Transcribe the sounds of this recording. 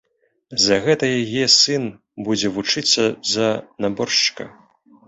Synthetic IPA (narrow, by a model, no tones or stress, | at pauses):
zɐɣɛt̪ɐjajɛsɨn | bud͡zʲɛvut͡ʂɨt̪sːɐzɐnabɔrʂt͡ʂkɐ̰